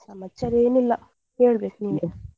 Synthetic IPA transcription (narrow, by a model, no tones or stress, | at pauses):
sɐmɐt͡ʃːɐɾeːnilːɐ | heːɭbeːkniːne